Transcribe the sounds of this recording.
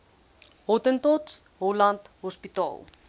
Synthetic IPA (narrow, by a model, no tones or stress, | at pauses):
ɦɔtəntɔtsɦɔlɐntɦɔspitɑ̰ːlˠ